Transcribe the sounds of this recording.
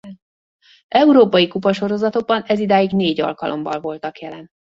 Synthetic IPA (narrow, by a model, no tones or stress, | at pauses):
ɛuɾoːpɒjikupɒʃo̞ɾo̞zɒt̪o̞ɡ̚bɒnɛzid̪aːjiɡneːɟɒ̰lkɒlʔo̞̰mbɒ̰lvo̞lt̪ɒkjɛlɛn